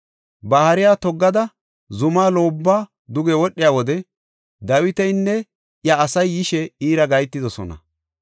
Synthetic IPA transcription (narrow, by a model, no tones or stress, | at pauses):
bɐhɐɾɪjaːt̪ɔɡːɐd̪ɐ | zʊmaːlo̞ːbːaː | d̪ʊɡɛwɔɗːɪjaːwɔd̪ɛ | d̪ɐwɪt̪ɛjnːɛ | ʔjɐːsɐjːɪʃɛiːɾɐɡɐjt̪ːɪd̪ɔsɔ̰nɐ̰